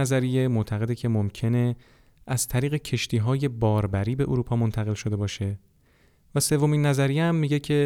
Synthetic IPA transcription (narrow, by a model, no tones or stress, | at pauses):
æzæɾije̞mo̞ʔt̪ʰæɣe̞d̪ecʰe̞momcʰe̞ne̞ | æz̥t̪ʰæɾiːɣe̞cʰe̞ʃt̪ʰiːɦɒːje̞bɒːɾbæɾiːbe̞ʔuɾuːpʰɒːmo̞nt̪ʰæɣe̞lʃo̞d̪e̞bɒːʃe̞ | væse̞vːo̞minːæzæɾijeæmːiɟecʰe̞